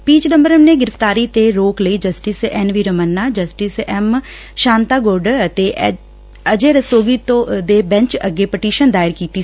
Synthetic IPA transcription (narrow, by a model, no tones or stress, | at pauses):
piːt͡ʃd̪əmbəɾəmneːɡɪɾəft̪aːɾiːt̪eːɾoːkləiːd͡ʒəsʈɪsɛnʋiːɾəmənːaːd͡ʒəsʈɪsɛm | ʃaːnt̪aːɡoːɾɖəɾət̪eːʔ | əd͡ʒeːɾəsoːɡiːt̪õd̪eːbɛ̃ɲt͡ʃə̰ɡeːpəʈiːʃənd̪aːɪɾkiːt̪iː